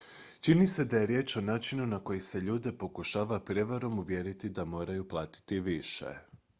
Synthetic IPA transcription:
t͡ʃinise̞d̪aje̞ɾje̞ːt͡ʃo̞naːt͡ʃinunako̞jise̞ʎuːd̪e̞po̞kuʃaːʋapɾe̞ʋaɾo̞muʋje̞ɾit̪id̪amo̞ːɾajuplˠaːt̪i̥t̪iʋiʃḛ

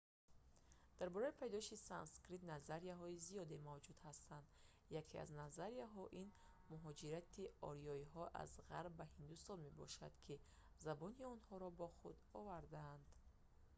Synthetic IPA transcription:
d̪̥aɾbɔɾaipʰajd̪ɔʃisanskɾit̪nazaɾiaɦɔizijɔd̪e̞mavd͡ʒud̪hast̪and̪ | jakʰea̰znazaɾiaɦɔʔin | muɦɔd͡ʒiɾat̪ʰiɔ̰ɾiɔiɦɔʔa̰zʁaɾbːahind̪ust̪ɔnme̞bɔ̰ʃad̪̥kʰi | zabɔniɔnhɔɾɔbɔχṵd̪ɔvaɾd̪aːnd̪̥

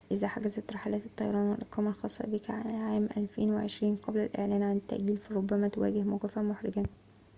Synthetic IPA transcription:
ʔɪzæħaɡæzæt̪ɾˤɑħalæːt̪e̥t̪ˤːɑjɑɾˤɑːnwelʔɑqːɑːmɑlxɑːsˤːɑ̰bikæʕaʕaːmʔæ̰lfḛːnweʕeʃɾiːnqɑblælʔḛʕlæːnʕanɪt̪ːa̰ʔɡiːlfæɾˤobːæmæt̪owæ̰ːɡɪhmoqɪfæmoħɾɪɡæn

